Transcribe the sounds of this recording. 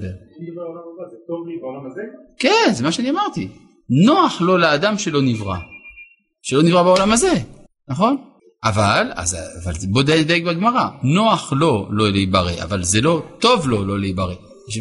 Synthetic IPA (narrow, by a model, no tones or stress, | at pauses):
beʁ | kenzemaʃeaniamaʁt̪i | no̞aχlo̞lead̪amʃelo̞nivʁa̰ | ʃelo̞nivʁabaolamaze̞ | naχo̞n | ʔavala̰zavalzbo̞d̪ad̪ajekbaɡmaʁano̞aχlo̞loleibaʁḛʔa̰valzelo̞t̪o̞vlo̞lo̞leibaʁe | ʃ